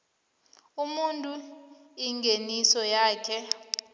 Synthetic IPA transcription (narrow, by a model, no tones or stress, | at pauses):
umuntʼu | iŋɡʱenisɔjaːkʰɛ